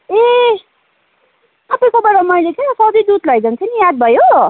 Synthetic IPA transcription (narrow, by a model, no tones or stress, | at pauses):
e | sʌpʌjkobʌɾamʌjlet̪ʰesʌd̪id̪ud̪lʌjd͡zʌnt͡sʰʌnijad̪̚bʱʌjo